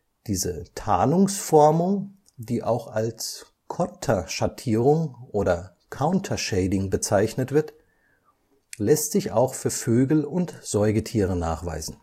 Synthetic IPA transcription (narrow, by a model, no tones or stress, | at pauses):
d̥iːzətʰaːnʊŋsfɔɐmʊŋ | d̥iːʔaʊxals | kʰɔtʰɐʃatʰiːʁ̞ʊŋʔoːdɐ | kʰaʊntʰɐʃɛɪdɪŋbət͡saɪçnətv̥ɪɐt | lɛstz̥ɪça̰ʊxfyːɐføːɡl̩ʊntz̥ɔʏɡətʰiːʁ̞əna̰ːχv̥a̰ɪzn̩